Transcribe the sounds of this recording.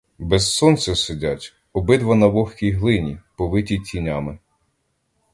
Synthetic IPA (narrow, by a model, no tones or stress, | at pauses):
bɛzsɔnt̪sɛsʊdʲatʲ | ɔbɪd̪ʋɐnɐʋɔxʲkʲijɦlˠɪnʲipɔʋɪtʲitʲinʲamɪ